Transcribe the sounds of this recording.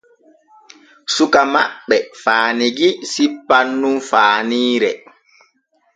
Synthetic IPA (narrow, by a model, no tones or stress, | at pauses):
sukamaɓːɛfaːniɡisipːanːumfaːniːɾɛ